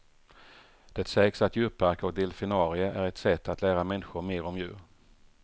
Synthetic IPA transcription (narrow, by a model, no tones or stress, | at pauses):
d̪̥ɛt̪sɛːksat̪jʉ̟ːpːæɾkɔk̚d̪ɛlfɪnɑːɾɪəʔæɾɛt̪sɛt̪ːat̪ʰlæːɾamɛnːɪɧʊɾmeːɾɔmjʉ̟̰ːɾ